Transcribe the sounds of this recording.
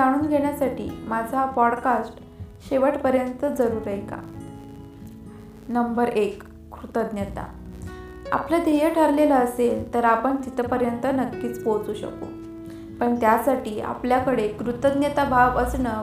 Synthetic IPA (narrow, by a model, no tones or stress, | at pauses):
aɽ̃uːnɡʱeɽ̃jasaʈḭːmad͡zʱapɔɽkasʈ | ɕeʋəʈpəɾjənt̪əd͡zəɾuːɾəjka̰ | nəmbəɾekː | ɾut̪əd̪njət̪a̰ | a̰plad̪ʱejəʈʰəɾlelaəselt̪əɾapəɳt̪it̪əpəɾjənt̪ənəkːiːt͡spot͡suːɕə̰ko̰ | pəɳt̪jasaʈiːʔa̰pljakəɽekɾut̪əd̪njət̪abʱaʋəsnə